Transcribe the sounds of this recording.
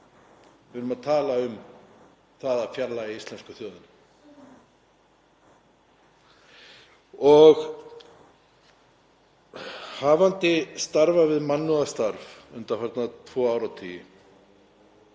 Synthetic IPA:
vɾʏmaðt̪ʰaːlaʏm | θaðaðfjaɾlaiist̪lɛnskʏθjœːðʏn | ɔɣ | haːvant̪ɪst̪aɾvavɪðmanːuast̪aɾvʏnt̪afaɾt̪nat̪ʰvɔːaːwɾawt̪ʰiːjɪ

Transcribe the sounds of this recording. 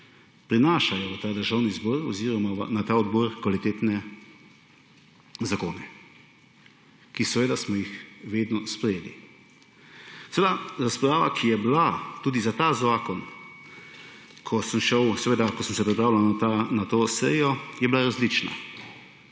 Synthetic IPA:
pɾinaːʃajɔʋt̪aːd̪əɾʒawnizbɔɾɔ̰ziːɾɔmaʋ̰nat̪aːɔd̪bɔɾkʋalit̪eːt̪nɛ | zakoːnɛ | kisɛʋeːd̪asmɔjixʋeːd̪nɔspɾɛjeːlḭ | sɛʋed̪aɾaspɾaːʋa̰kʰijɛblat̪uːd̪izat̪azaːkɔn | kʰɔsəmʃəwsɛʋeːd̪akɔsəmsɛpɾipɾaːwlawnanat̪oːsɛ̰jɔjɛbilaɾazlit͡ʃna̰

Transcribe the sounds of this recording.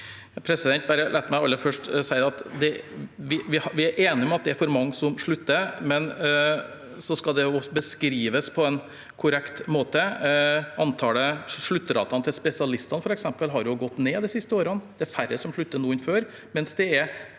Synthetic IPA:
jɑpʰɾɛsɪd̪ɛnt̪̚bɑɾəlæːt̪ːmæɪɑlːəɾfœʂʈsæɪɑt̪d̪ɛʋɪʋɪhʋɪæɾʔeːnɪɔmɑt̪̚d̪ɛæɾfɔɾmɑŋːsɔmʂɭʉt̪ːəmɛn | sɔskɑd̪ɛjʊbəskɾiːʋəspʰɔɛn | kʰʊɾɛkt̪moːt̪ə | ɑnt̪ʰɑːɽəʂɭʉt̪ːəɾɑ̰ːt̪ɑnət̪ʰɪlspɛsɪɑlɪst̪ɑnəfɔɾɛksɛmpəlɦɑɾjʊɡɔt̪ːneːd̪ɪsɪst̪əoːɾənd̪ɛæɾfæɾəsɔmʂɭʉt̪ːənuːɪnføːɾ | mɛnsd̪ɛæɾ

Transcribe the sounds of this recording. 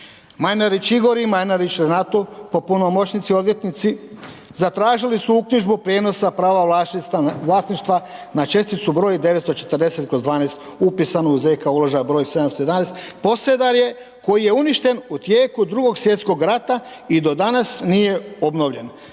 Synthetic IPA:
majnaɾit͡ʃiɡo̞ɾimajnaɾit͡ʃɾenat̪opo̞puno̞mo̞t͡ɕnit̪sio̞d̪ʋje̞t̪nit̪si | zat̪ɾaːʒilisuukɲiʒbupɾeːno̞sapɾaːʋa | ʋlˠaːsniʃt̪ʋanat͡ʃe̞st̪it̪subɾo̞ːjid̪eʋet̪st̪o̞t͡ʃe̞̥t̪ərd̪e̞se̞t̪̚kɾozd̪ʋaːneːst̪upisanouzejkaulˠoʒajabɾojse̞d̪amst̪oed̪aneːst̪po̞sed̪aɾje̞ | ko̞jije̞uniʃt̪e̞nut̪jeːkud̪ɾuɡo̞ɡsje̞t̪sko̞ɡɾat̪a | id̪o̞d̪anasnije̞o̞bno̞ʋʎe̞n

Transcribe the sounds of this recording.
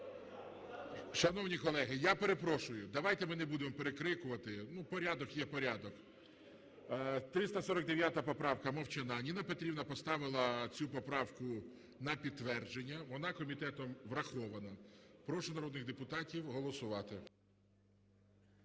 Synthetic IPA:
ʃɐnɔwnʲikɔlˠɛɦɪjape̞ɾe̞pɾɔʃʊjʊd̪ɐʋɑjt̪ɛmɪnebud̪emɔpeɾekɾɪkʊʋɐt̪ɪnupɔɾʲad̪ɔkjɛpɔɾʲad̪ɔk | t̪ɾɪst̪ɐsɔɾɐk̚d̪e̞ʋʲjat̪ɐpɔpɾɑwkɐmɔwt͡ʃɪnɑnʲinɐpet̪ɾʲiwnɐpɔst̪ɑʋɪlˠɐt͡sʲupɔpɾɑwkʊ | nɐpʲid̪̚ːʋɛrd͡ʒenʲːɐʋɔnɑkɔmʲit̪ɛt̪ɔmʋɾɐxɔʋɐnɐpɾɔʃʊnɐɾɔd̪nɪɣd̪epʊt̪ɑtʲiwɦɔlˠɔsʊʋɑt̪ɪ

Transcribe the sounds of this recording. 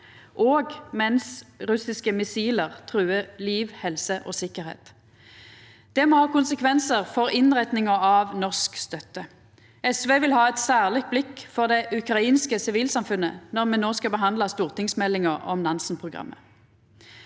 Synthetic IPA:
ʔoːɡmɛnsʁʉsɪskəmɪsiːləʁt̪ʰʁʉːəliːʋhɛlsəʔo̰ːsɪkəʁhḛːt̪ | d̪̥ɛmoːhɑːkʊnsəkʰʋɛnsəʁfɔʁɪnʁɛt̪nɪŋəɑʋnɔʁskst̪œt̪ːə | ɛsʋeːʋɪlhɑːɛt̪sæːʁlɪt̪̚blɪkːfɔʁd̪ɛʔʉkʁɑiːnskəsɪʋiːlsɑmfʉnə̰nɔʁmɛnnoːskɑbəɦɑnd̪lɑst̪uːʁt̪ɪŋsmɛlːɪŋəʁɔ̰mnɑnsn̩pʰʁʊɡʁɑ̰mːə̰

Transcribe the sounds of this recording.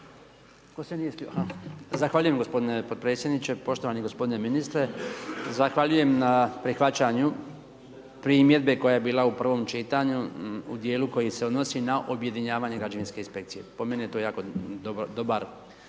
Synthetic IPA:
ko̞seniesuazaxʋaːʎuje̞mɡo̞spo̞d̪ine̞po̞d̪̚pɾe̞ːt̪sʲje̞d̪nit͡ɕe̞po̞ʃt̪oʋaniɡo̞spo̞d̪ine̞minist̪ɾe̞zaxʋaʎuje̞mnapɾixʋat͡ɕaɲu | pɾiːmje̞d̪be̞ko̞jaje̞biːlˠaupr̩ʋo̞mt͡ʃit̪aɲuud̪je̞ːluko̞jise̞o̞d̪no̞sinaʔobje̞d̪iɲaːʋaɲeɡɾad͡ʒaʋinske̞inspe̞kt̪sije̞po̞menijet̪oːjaːkod̪obd̪o̞baɾ

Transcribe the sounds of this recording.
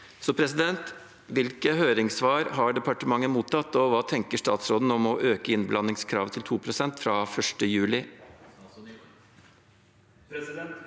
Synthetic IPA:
sɔpʰɾɛsɪd̪ɛnt̪ | ʋɪlkəhøːɾɪŋsʋɑːɾɦɑɖɛpɑʈəmɑŋːəmuːt̪ʰɑt̪ːɔʋɑːt̪ʰɛŋkəʂʈɑ̰ːt̪sɾoːd̪n̩ɔmɔʔøːkəɪnblɑnːɪŋskʰɾɑ̰ːʋt̪ʰɪlt̪ʰuːpʰɾʊsɛnt̪fɾɑːfœʂʈəjʉːlɪ

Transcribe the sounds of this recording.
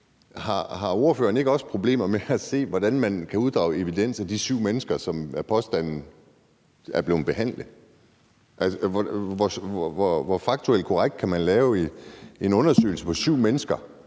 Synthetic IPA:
hɑ̈ɦɑ̈o̝ɐfø̰ːɐne̝ɡ̥ɒ̽spʰʁo̝b̥le̝̰ːmɐmeæse̝̰ːʋɒd̥ænmænkʰæuðˠd̥ʁɑ̈ʊe̝ʋid̥en̰sæd̥isyʊ̰menəsɡ̥ɐsɒ̽mæpʰɒ̽sd̥æn̰n̩ | æɐb̥le̝ːð̩ˠb̥e̝ɦæn̰ləð | ʔælsʋɒʋɒsʋɒʋɒfɑ̈ɡ̥̚t͡sʰuel̰̚kʰɒʁaɡ̥̚d̥̚kʰæmænlɛːʊe̝nɔ̽nɐsø̰ɪl̩səpʰɒ̽syʊ̰menəsɡ̥ɐ

